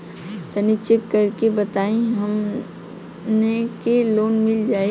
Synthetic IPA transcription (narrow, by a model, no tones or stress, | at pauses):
t̪ɐnit͡ʃekːɐɾkebɐt̪aːẽɦɐm | nekeloːnmɪld͡ʒaːe